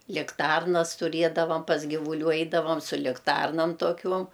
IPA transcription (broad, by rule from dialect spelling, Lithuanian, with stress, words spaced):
lʲɪkˈtɐrnɐs tʊˈrʲiɛdɐʋɐm pɐs ɡʲɪʋʊˈlʲuː ˈɛɪdɐʋɐm sʊ lʲɪkˈtɐrnɐm toːˈkʲuɔm